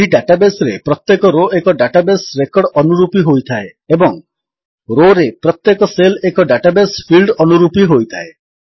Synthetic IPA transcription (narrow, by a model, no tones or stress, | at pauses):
iɖaʈabesɔɾḛpɾɔt̪jekɔɾoekɔɖaʈabesɾekɔɽɔnuɾupiɦojt̪ʰaeebɔŋ | ɾoɾepɾɔt̪jekɔselekɔɖaʈabespʰilɖɔnuɾupiɦojt̪ʰae